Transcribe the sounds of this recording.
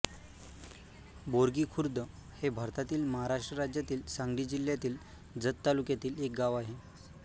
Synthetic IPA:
boɾɡiːkʰuɾd̪ʱə | hebʱaɾt̪at̪iːlməɦaɾaʂʈɾəɾad͡ʑjat̪iːlsãŋɡɽiːd͡ʑiljat̪iːl | d͡zət̪ːalukjat̪iːlek̚ɡaʋaɦe

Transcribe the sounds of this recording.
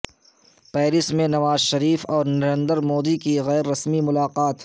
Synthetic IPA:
pɛːɾɪsmẽnɐʋaːzʃɐɾiːfɔːɾnɐɾẽnd̪əɾmoːd̪ikiɣɛːɾːɐsmimʊlaːqaːt̪

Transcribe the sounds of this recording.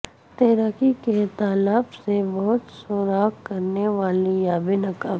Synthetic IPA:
t̪eːɾaːkiket̪aːlaːbsebɔɦʊt̪soːɾaːkkɐɾneʋaːlijaːbɪnɐkaː

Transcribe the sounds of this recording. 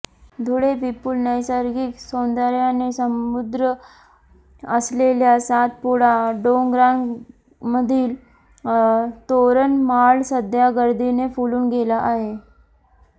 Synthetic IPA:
d̪ʱoɽepipulnəjsəɾɡiːksond̪əɾjanesəmud̪ɾə | əsleljasat̪̚puɽaɖoŋɡɾan | məd̪ʱiːl | t̪oɾənmalsəd̪ʱjaɡəɾd̪ʱinefuluːnɡʱelaʔaɦe

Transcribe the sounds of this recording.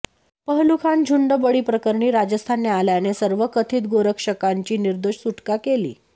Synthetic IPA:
pəɦlukʰand͡ʑʱuɳɖəbəɽiːpɾəkəɾɳiːɾad͡ʑəst̪ʰanːealjanesəɾʋəkət̪ʰiːt̪̚ɡoɾəkʂəkaɲt͡ɕiːniɾd̪oʂsuʈkakelḭː

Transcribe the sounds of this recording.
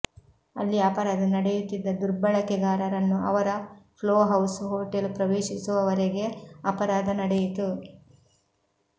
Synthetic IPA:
ɐlːiɐpɐɾaːd̪ɐnɐɽejut̪ːid̪ːɐd̪uɾbɐɭɐkɛɡ̪aːɾɐɾɐnːuɐ̰ʋɐɾɐpʰloːɦɐwsɦoːʈelpɾɐʋeːʃisuʋɐʋɐɾeɡe̞ɐpɐɾaːd̪ɐnɐɽɛjit̪u

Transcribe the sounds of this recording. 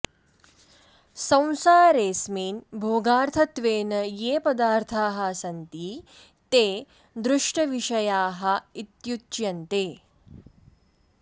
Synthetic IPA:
sɐ̃w̃saːɾeːsmiːnbʱoːɡaːɾt̪ʰɐt̪ʋeːnɐjeːpɐd̪aːɾt̪ʰaːɦɐsɐnt̪iː | t̪eː | d̪ɾuʂʈɐʋiʂɐjaːɦɐ̆it̪jut̪t͡ʃjɐnt̪eː

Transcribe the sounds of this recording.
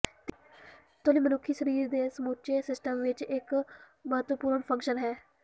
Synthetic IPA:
t̪oniːmənʊkʰːiːsəɾiːɾd̪eːsəmoːt͡ʃeːsɪsʈəmʋɪt͡ʃɪk | məɦət̪ʋəpuːɾɳpʰə̃ŋkʃənɦɛː

